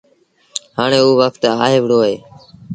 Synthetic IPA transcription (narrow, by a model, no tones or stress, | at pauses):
haːɳeːuːʋəkʰt̪aːɦeːʋɽoːɦeː